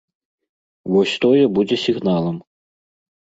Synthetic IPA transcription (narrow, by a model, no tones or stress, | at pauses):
vɔsʲt̪ɔjɛbud͡zʲɛsʲiɣnalˠɐm